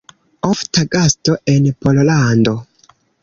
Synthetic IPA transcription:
oftaɡastoʔenpollando

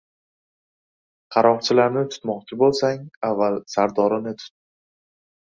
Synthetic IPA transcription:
qʰɑɾɒqt͡ʃʰɪlaɾnɪt̪ʰʊ̥t̪mɒqt͡ʃʰɪbolˠsaŋavːalsaɾd̪ɒɾɪnɪt̪ʰʊ̥t̪̚ːɪ

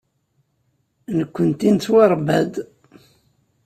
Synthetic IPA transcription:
nəkʷːənt̪int͡sːwaɾˤbæd̪

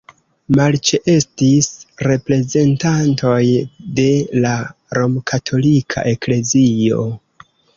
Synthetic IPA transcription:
malt͡ʃeʔe̞stisɾe̞pɾe̞ze̞ntanto̞jde̞laɾo̞mkʰatʰo̞likʰa̰ʔe̞kle̞zio̞̰

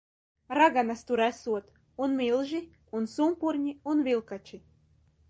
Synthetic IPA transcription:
rɑɡɑnɑst̪uɾæsut̪ | unmilˠʒi | unsumpurnʲiunvilˠkɑt͡ɕi

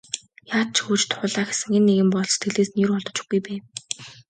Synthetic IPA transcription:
jaːt̪̚t͡ɕʰxuːt͡ɕt̪χʊɮaːxe̥sɘ̆ŋenːeɣɘ̆mpɔɮst̪ʰĕɮeːsnirɔɮt̪ɞ̆t͡ɕɪ̥̆xɡujpæː

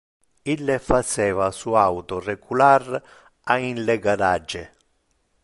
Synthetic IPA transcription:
ilːefat͡ʃɛːvasuawt̪ʊrɛɡular | ainlɛɡadad͡ʒːɪ

